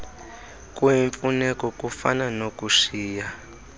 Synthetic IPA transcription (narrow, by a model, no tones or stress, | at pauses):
kwiɱfunɛkɔkufa̰nanokʼuʂiːja